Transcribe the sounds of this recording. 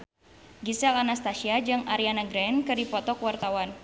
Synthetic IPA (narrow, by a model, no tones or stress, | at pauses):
ɡisɛlanast̪aʃiad͡ʒɨŋaɾianaɡɾɛnkɨrdipɔt̪ɔkwart̪awan